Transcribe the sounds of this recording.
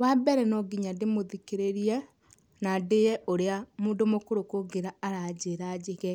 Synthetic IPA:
wabɛɾɛnɔɡiɲademoðikeɾeɾiɛ | nandejɛʔoɾeamuːndomokoɾokoɡeɾaaɾad͡ʑeɾad͡ʑeɣɛ

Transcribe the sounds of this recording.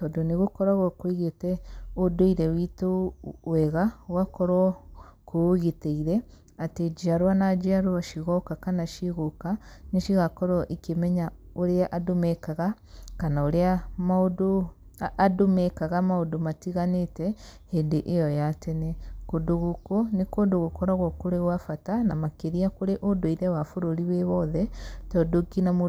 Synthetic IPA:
tɔdoneɣokɔɾaɣɔkwiɣetɛodoiɾɛwitowɛɣawakɔɾwɔkooɣeteiɾɛ | ated͡ʒiaɾwanad͡ʒiaɾoaʃiɣɔkakanaʃiɣokaneʃiɣakɔɾɔʔikemɛɲa | oɾeaʔadomɛkaɣa | kanaoɾeamaodoː | domekaɣamaodomatiɣanetɛhendeʔejɔjatenekodoɣukonikodoɣokɔɾaɣwɔkoɾeɣwafatanamakeɾiakoɾeʔodwiɾɛwafoɾoɾiβeβɔðɛtɔdoɡinamo

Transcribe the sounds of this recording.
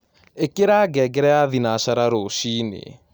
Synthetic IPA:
ekeɾaːɡɛɡɛɾɛaðinaʃaɾaɾoʃiːnḛ

